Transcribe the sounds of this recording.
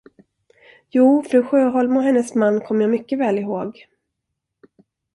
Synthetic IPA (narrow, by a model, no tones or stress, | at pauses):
juːfɾʉ̟ːɧøːɦɔlmɔɦɛnːəsmanːkʰɔmːəjaːmʏkːəvɛːlɪɦoːɡ